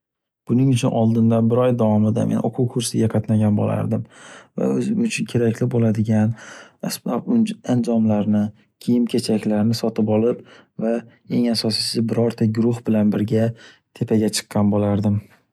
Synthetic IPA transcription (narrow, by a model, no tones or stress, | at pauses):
b̥ʊnɪŋʊt͡ʃʰʊnʔɒlˠd̪ɪnd̪anbɪɾɒjd̪avɒmɪd̪a̰menʔo̰qʰʊwkʰʊɾsɪɡʲaqʰɑt̪naɡʲanbo̰la̰ɾd̪ɪmva̰ɵzɪmʊt͡ʃʰʊnkʲʰe̞ɾakʲlɪbolad̪ɪɡʲanasbapand͡ʒɒmlaɾnɪ | kʲʰejɪmkʲʰe̞t͡ʃʰakʲlaɾnɪsɒt̪ɪpɒlˠɪpva | e̞ŋasɒsɪsɪbɪɾɒɾt̪ʰaɡʊɾʊhbɪlanbɪɾɡʲa | t̪ʰe̞pʰaɡʲat͡ʃʰɨ̥qːɑnbolaɾd̪ɪm